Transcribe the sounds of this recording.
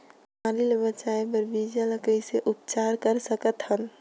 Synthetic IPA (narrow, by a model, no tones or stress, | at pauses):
maɾilebət͡ʃaebəɾbid͡ʒaləkəiseʔʊpt͡ʃaːɾkəɾsəkət̪ɦən